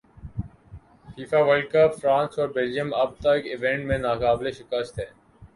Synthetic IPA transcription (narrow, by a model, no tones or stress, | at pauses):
fiːfaːʋəlkəpfɾãːnsɔːɾbeld͡ʒijəmɐb̚t̪əɪkɪʋẽɳʈmẽnaːkaːbleʃɪkəst̪ʰɦɛː